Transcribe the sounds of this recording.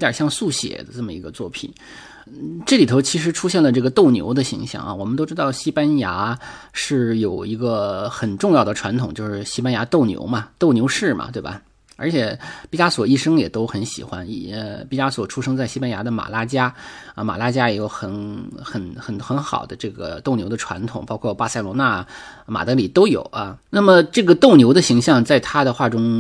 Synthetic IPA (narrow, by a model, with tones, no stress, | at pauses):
t̪jə̰˞˨˩ɕjɑ˥˧ŋsu˥˩ɕjɛ̰˨˩d̪ə˦ʈ͡ʂɤ˥˩mə˩i˧˥ɡə˧t͡swɔ˥˩pʰḭ˨˩˦n | ʈ͡ʂɤ˥˩li˨˩t̪ʰʊt͡ɕʰi˧˥ʂ̬ɻ̩˧˥ʈ͡ʂʰu˥ɕjɛ˥˩nlə˩ʈ͡ʂɤ˥˩ɡə˩t̪o˥˩ʊnjo̰˧˥ʊd̪ə˧ɕḭ˧˥ŋɕjɑ̰˥˩ŋʔɐ̰˧wɔ˨˩mə˦nt̪o˥ʊʈ͡ʂɻ̩˥t̪ɑ˥˩ʊɕi˥pa˥nja˧˥ | ʂɻ̩˥˩jo˨˩ʊi˧˥ɡə˧xə˨˩nʈ͡ʂʊ˥˧ŋjɑ˥˩ʊd̪ə˩ʈ͡ʂʰwa˧˥nt̪ʰʊ˨˩ŋt͡ɕjo˥˧ʊʂɻ̩˥˩ɕi˥pa˥nja˧˥t̪o˥˩ʊnjo̰˧˥ʊmɐ˧t̪o˥˩ʊnjo˧˥ʊʂɻ̩˥˩mɐ̰˩t̪we˥˩ɪbɐ̰˩ | ə˞˧˥t͡ɕʰjɛ˨˩pi˥˩t͡ɕa˥swɔ˨˩i˥˩ʂɤ˥ŋjɛ˨˩t̪o˥ʊxə˧˥nɕḭ˨˩xwa˥ni˧˥˩ə˧pi˥˩a˥swɔ˨˩ʈ͡ʂʰu˥ʂɤ˥ŋt͡sa˥˩ɪɕi˥pa˥nja˧˥d̪ə˧ma̰˨˩la˥t͡ɕja˥ə˧˩ma̰˨˩la˥t͡ɕja˥jɛ˧˥jo˧˩ʊxə˧˥nxə˧˩˥nxə˨˧˩nxə˧˥nxɑ̰˨˩ʊd̪ə˦ʈ͡ʂɤ˥˩ɡə̰˩t̪o˥˩ʊnjo˧˥ʊd̪ə˧ʈ͡ʂʰwa̰˧˥nt̪ʰʊ˨˩ŋpɑ˥ʊkʰwɔ˥˧pa˥˧sa˥˩ɪlwɔ˧˥na˥˩ma̰˨˩t̪ɤ˧˥li˨˩t̪o˥ʊjo̰˨˩ʊɐ˧na˥˩mə˩ʈ͡ʂɤ˥˩ɡə˩t̪o˥˩ʊnjo˧˥ʊd̪ə˧ɕi˧˥ŋɕjɑ˥˧ŋt͡sa˥˩ɪt̪ʰa˥d̪ə˨xwa˥˩ʈ͡ʂʊ˥ŋ